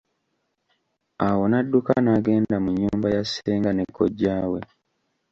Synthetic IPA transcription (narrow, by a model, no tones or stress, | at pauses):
awo̞nadːukanaɡe̞ːndamuɲːuːmbajasːeːŋɡanekːo̰ɟːaːwe̞̰